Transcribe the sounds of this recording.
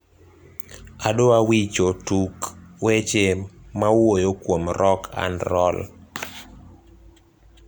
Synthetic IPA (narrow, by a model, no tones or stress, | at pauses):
adoawit͡ʃotukwet͡ʃemawojokwomɾɔkʰa̰nɾɔl